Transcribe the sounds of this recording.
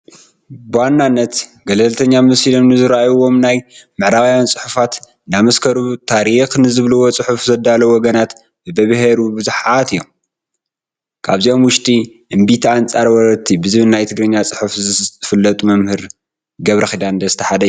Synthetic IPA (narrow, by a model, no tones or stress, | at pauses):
bɨwanːanːɐt̪ɡɐlɐlt̪ʰɐɲːamɐsilomnɨzɨɾʔajuwo̞mnajmɨʕɾawjant͡sʼɨħufat̪ | namɐskʰɐɾut̪ʰaɾixnɨzɨβluwot͡sʼɨħufzɐd̪alɐwɔɡɐnat̪ | bɨbɐβɦeɾubɨzuħat̪ɨjːom | kʰaβziʔo̞mwʊʃt̪ʼi | ʔɨmbit̪ʰiant͡sʼaɾwɔɾɐt̪ʰːibɨzɨβɨnnajt̪ʰɨɡɾɨɲːat͡sʼɨħufzɨfɨlːɐt̪ʼumɐmhɨɾ | ɡɐβɾɐxid̪and̪ɐzɨt̪ʰɐħad̪ɐ